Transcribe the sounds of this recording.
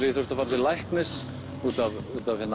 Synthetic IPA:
ɾɪθɔɾ̥t̪afaɾðɪlajhknɪs | uːt̪avuːt̪avhɛnː

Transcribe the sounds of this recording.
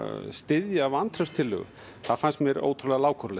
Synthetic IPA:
st̪ɪðjaavant̪ʰɾœwst̪ʰɪlːʏ̰ɣʏ̰ | θaðfanst̪mjɛɾo̰ːwt̪ʰɾulɛɣalaːwkʰɔɾlɛ

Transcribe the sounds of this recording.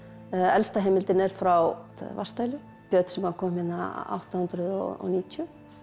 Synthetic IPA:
ɛlst̪aɦɛːmɪlt̪ɪnɛɾ̥fɾawaa̰va̰st̪aːjlʏ | pjœːt̪sɛmhakʰɔːmɪnːa̰a̰wht̪ahʏnt̪ɾʏðɔ̰ɔ̰niːt̪ʰjʏ

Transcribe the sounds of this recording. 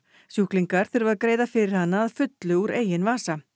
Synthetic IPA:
sjuhkliŋkaɾ̥θɪɾvaðkɾeːjðafɪɾɪɾ̥hanːaːðfʏt̪lʏuɾeːjɪnvaːsa

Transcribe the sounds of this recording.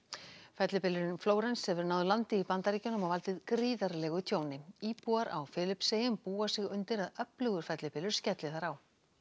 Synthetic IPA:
fɛt̪lɪpɪlʏɾɪnfloːwɾɛnshɛvʏɾnaːwðʏlant̪ɪipant̪aɾiːcanʏmavalt̪ɪðkɾiːðaɾlɛɣʏt̪ʰjoːwnɪiːpuaɾa̰wfɪːlɪpsejʏmpuːasɪɣʏnt̪ɪɾaðœplʏɣʏɾ̥fɛt̪lɪpɪːlʏɾ̥scɛt̪lɪθaɾaw

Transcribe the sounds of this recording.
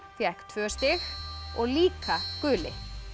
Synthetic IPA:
θjɛhkt̪ʰvœːst̪ɪxɔɣliːkakʏːlɪ̰

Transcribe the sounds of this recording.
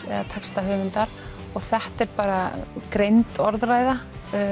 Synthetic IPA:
ɛ̰ðat̪ʰakst̪aɦʏːmɪnt̪aɾ̥ | ɔɣθɛht̪ɛɾpaːɾakɾejnt̪ɔɾðraːjða

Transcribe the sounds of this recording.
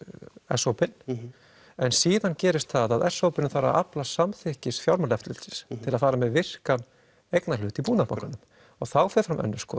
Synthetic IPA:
ɛ̰sowpɪn | ɛnsiːðancɛːɾɪst̪θaðaðɛsːowpɪnɪfaɾa̰a̰plasamθɪhcɪsfjawɾmalɛft̪lɪlsɪst̪ʰɪlaðfaːɾamɛðvɪr̥kan | ejknalʏːt̪ipuːnaɾpmawkanʏm | ɔɣθawfɛɾfɾamʔɛ̰nːʏskɔ̰ː

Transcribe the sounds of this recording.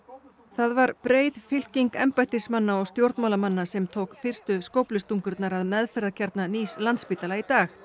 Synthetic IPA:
θaðvaɾpɾeːjðfɪl̥ciŋkɛmpajt̪ɪsmanːaɔɣst̪jowɾt̪mawlamanːasɛmt̪ʰoːwkfɪr̥st̪ʏskoːwplʏst̪uŋkʏɾt̪naɾaðmɛðfɛɾðacʰaɾt̪naniːslant̪spiːt̪alait̪aːx

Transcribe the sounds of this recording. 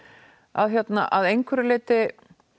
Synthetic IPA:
a̰ðçjɛt̪na̰ʔaðejŋkʰvɛɾɪlɪːt̪ɪ

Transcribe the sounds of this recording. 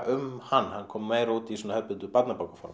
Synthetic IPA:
ʔʏmhanːhankʰɔːmːeːjɾauːt̪isɔːnahœpɪnt̪ʏpat̪napawkḁfɔ̰ɾm

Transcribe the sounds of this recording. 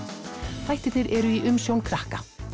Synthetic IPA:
θajht̪ɪθɪɾʔɛɾʏiʔʏmsjownkʰɾahka

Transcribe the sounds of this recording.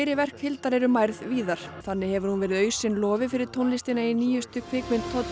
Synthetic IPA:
jɾɪvɛr̥khɪlt̪aɾɛɾʏmajɾðviːðaɾ̥θanːɪhɛvʏɾ̥hunvɛːɾɪðœːɥsɪnlɔːvɪfɪɾɪɾ̥t̪ʰonlist̪ɪnainiːjʏst̪ʏkʰvɪːkmɪnt̪ʰɔt̪

